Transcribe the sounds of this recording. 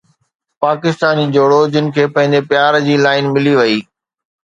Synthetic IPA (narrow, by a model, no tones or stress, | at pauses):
paːkɪst̪aːnid͡ʑoːɽod͡ʑɪnɪ̆kʰeːpɐ̃ɦɪ̃ɲd͡ʑepjaːɾd͡ʑiːlaːɪnmɪliʋɐiː